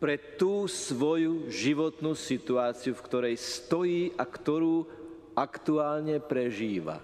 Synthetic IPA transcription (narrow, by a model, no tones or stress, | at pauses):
pɾɛt̪uːsʋɔjuʒiʋɔt̪nuːsit̪uaːt͡siufkt̪ɔɾɛjst̪ɔjiːʔakt̪ɔɾuː | akt̪uaːlɲɛpɾɛʒiːʋa̰